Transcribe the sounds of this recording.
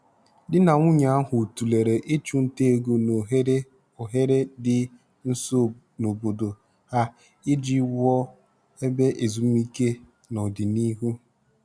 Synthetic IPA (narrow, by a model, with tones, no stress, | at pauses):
dɪ˦na˨ŋʷʊ˦ɲa˨a˦ɦʊ˨tu˨le˨ɾe˨ʔe˦t͡ʃu˦n̩˦te˦e˦˨ɡo˦n˨˦ | o˨ɦe˦ɾe˦dɪ˦ | n̩˦s | no˨bo˨do˨ | ha˦ | e˦d͡ʒi˦wɔ˦ | e˦be˦ʔe˨zu˨m˦i˦ke˦ | nɔ˨dɪ˨ni˦ɦu˦